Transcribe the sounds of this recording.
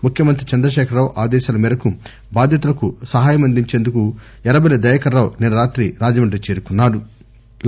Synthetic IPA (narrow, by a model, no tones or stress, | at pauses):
mukʰjɐmɐnt̪ɾit͡ʃɐnd̪ɾɐʃɛːkʰɐɾːaːwʔaːd̪ɛːʃaːlɐmiːɾɐku | baːd̪ʱjɐt̪̬ulɐkusɐɦaːjɐmɐnd̪iɲt͡ʃeːnd̪uku | ɛɾɐbɐjlɐd̪ɐjɐkɐɾːaːwnɛnɐɾaːt̪ɾiɾaːd͡ʒɐmɐɳɖɾit͡ʃeːɾukunːaːɽu